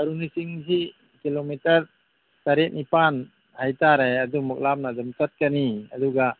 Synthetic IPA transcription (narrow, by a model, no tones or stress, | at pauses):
ɐɾunisiŋsi | kilomitɐɾ | taɾet̚nipan | hajtaɾajɐdumɔk̚lamnadumtɐt̚kaniɐ̰duɡa